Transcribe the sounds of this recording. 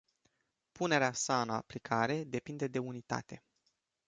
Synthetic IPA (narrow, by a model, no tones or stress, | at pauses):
pune̞ɾeasaɨna̰plikʰaɾe̞d̪e̞pind̪e̞d̪e̞unit̪a̰t̪e̞